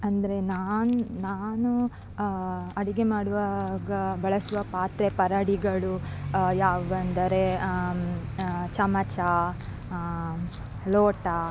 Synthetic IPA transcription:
ɐnd̪ɐɾe̞naːnunaːnu | ɐɽiɡe̞maːɽuʋɐɡɐbɐɭɐsuʋɐpaːt̪ɾepɐɾɐɽiɡɐɭujaːʋɐnd̪ɐɾe | t͡ʃɐmɐt͡ʃa | loːʈa

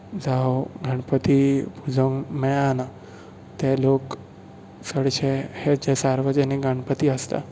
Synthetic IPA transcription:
d͡zaoɡʱəɳ̃pət̪ibʱud͡zoŋɡmejana | t̪elok | səɽt͡ʃʰehed͡ʑesaɾʋəd͡ʒənikɡʱəɳ̃pət̪iəst̪a̰

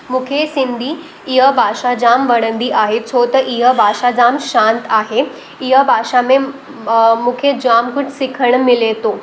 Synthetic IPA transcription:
mũːkʰesĩnd̪ʱiː | ɦəbʱaʃad͡ʑamʋəɽ̃ənd̪iʔaɦet͡sʰot̪əʔiɦəbʱaʃad͡zamʃãnt̪aɦe | iɦəbʱaɕamẽ | mũːkʰed͡ʑamkʰʊʈʰsɪkʰəɽ̃mɪlet̪o

